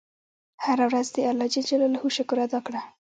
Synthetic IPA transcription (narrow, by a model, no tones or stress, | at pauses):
haɾawɾazd̪əalɑd͡ʒid͡ʒalolahuʃakuɾad̪ɑkɽa